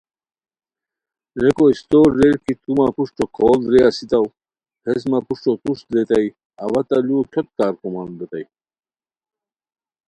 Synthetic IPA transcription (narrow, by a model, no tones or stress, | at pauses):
ɾekoist̪oːɾːeɾkit̪umapuʂʈokʰoːlɾeasit̪ɐw | pʰes̬mɐpuʂʈot̪usɾet̪aj | ɐwɐt̪ɐlukʰot̪̚kaːɾkomand̪et̪ɐj